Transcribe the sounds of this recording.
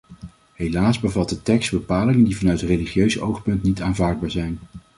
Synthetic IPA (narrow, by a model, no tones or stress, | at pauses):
ɦejlaːzbəvɑt̚dətɛkstbəpaːlɪŋəndivɑnœɥtətrejliχjøɥzəʔowχpɵntnitaːnvaːɹd̚baːɹzɛjn